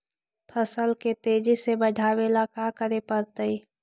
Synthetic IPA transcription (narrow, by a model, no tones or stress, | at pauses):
pʰəsəlket̪eːd͡ʒisebəɖʱaːweːlakaːkəɾepəɾt̪əi